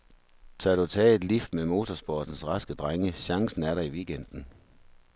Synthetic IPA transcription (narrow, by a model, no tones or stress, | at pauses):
t͡sʰɑ̈ɐɾ̥ut͡sʰɛ̰ːe̝d̥lifd̥memo̝ːt͡sʰɒsb̥ɒːd̥n̩sʁɑ̈sɡ̥əd̥ʁaŋəɕɑ̈ŋsn̩æɐɾɑ̈iʋiːɡ̥end̥n̩